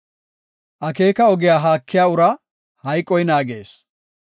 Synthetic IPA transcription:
ʔɐke̞ːkɐɔɡɪjaːɦaːkːɪjaːʊɾɐ | hɐjkʼːɔjnaːɡḛːs

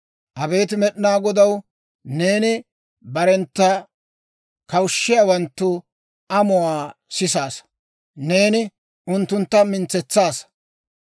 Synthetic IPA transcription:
ʔɐbe̞ːt̪ɪmɛɗɪnaːɡɔd̪ɐw | ne̞ːnɪ | bɐɾɛnt̪ːɐ | kɐwʊʃːɪjaːwɐnt̪ːʊ | ɐmʊwaːsɪs̬aːs | ne̞ːnɪ | ʊnt̪ːʊnt̪ːɐmɪnt͡sːɛt͡sːaːs

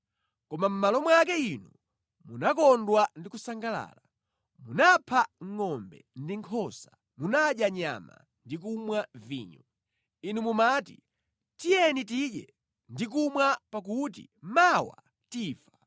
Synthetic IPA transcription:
kɔmam̩malɔmwakɛinu | munakɔndwandikusaŋɡala̰ːla | munapʰaŋ̩ŋɔmbɛ̰ndiŋkʰɔsa | munaɗjaɲa̰ma̰ | ndik̬umwaviːɲɔ | inumumatḭ | tijɛnit̬iɗɛ | ndik̬umwapakutḭmawa̰ | tiːfa

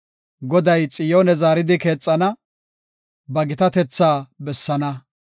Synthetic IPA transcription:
ɡɔd̪ɐjt͡sʼɪjoːnɛzaːɾɪd̪ɪke̞ːt͡sʼːɐnɐ | bɐɡɪt̪ɐt̪ɛt͡sːaːbɛsːɐnɐ

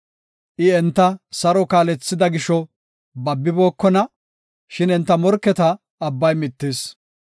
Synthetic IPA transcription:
ʔɪɛnt̪ːɐsɐɾɔkaːlɛt͡sːɪd̪ɐɡɪʃɔ | bɐbːɪbo̞ːkːɔnɐ | ʃɪnɛnt̪ːɐmɔɾkːɛt̪ɐː | bːɐjmɪt̪ːes

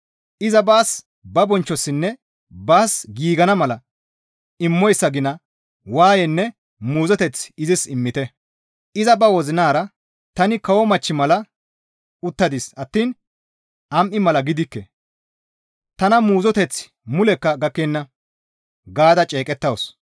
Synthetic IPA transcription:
ʔɪzɐbaːs | bɐbɔnt͡ʃːɔsːɪnːɛ | baːsɡiːɡɐnɐmɐlɐ | ɪmːɔjsːɐɡɪnɐ | waːjɛnːɛ | muːzɔt̪ɛt͡sɪzɪsɪmːɪt̪ɛ | ʔɪzɐbɐwɔzɪnaːɾɐ | t̪ɐnɪkɐwɔmɐt͡ʃːɪmɐlɐ | ʊt̪ːɐd̪isɐt̪ːiːn | ɐmʔɪmɐlɐɡɪd̪ɪkːɛ | t̪ɐnɐmuːzɔt̪ɛt͡s | mʊlɛkːɐɡɐkːenːɐ | ɡaːd̪ɐt͡ʃʼeːkʼɛt̪ːɐwɔs

